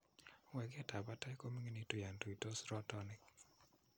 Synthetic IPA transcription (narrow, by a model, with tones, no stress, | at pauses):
wɛ˨ɡa˦ta˨ba˦ta˦i˦ko˦mi˦ŋi˦ni˦tu˨ja˨nto˨i˨to˦sɾɔ˦tɔ˦nɪ˨k